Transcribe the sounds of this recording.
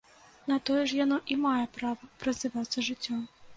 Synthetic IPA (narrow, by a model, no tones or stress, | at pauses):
nɐt̪ɔjɛʂ̬janɔʔimajɛpɾavɐpɾɐzʲɨvat̪sːɐʐɨt͡sʲːɔm